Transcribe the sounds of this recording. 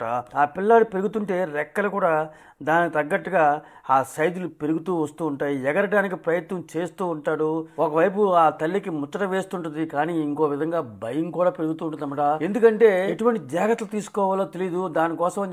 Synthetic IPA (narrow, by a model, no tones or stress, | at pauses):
aːaːpilːaːɽupe̞ɾuɡut̪uɳʈe̞ːɾɛkːɐlɐkuːɽaː | d̪aːnit̪ɐɡːɐʈːuɡaː | aːsɐjd̪ulupe̞ɾuɡut̪uːʋɐst̪uːɳʈaːjiɛɡɐɾɐɖaːnik̬ipɾɐjɐt̪nɐmt͡ʃe̞ːst̪uːɳʈaːɽuɔkɐʋɐjp̬uaːt̪ɐlːikimut̪ːɐʈɐʋe̞ːst̪uɳʈ̬und̪ikaːniːiŋko̞ːʋid̪ʱɐŋɡaːbʱɐjɐmkuːɽaːpeɾuɡut̪uːɳʈund̪ɐmːɐʈaːe̞nd̪ukɐɳʈe̞ːeʈuʋɐɳʈid͡ʒaːɡɐt̪ːɐlut̪iːsu̥kɔːʋaːloːt̪elijd̪ud̪aːnikɔːsɐm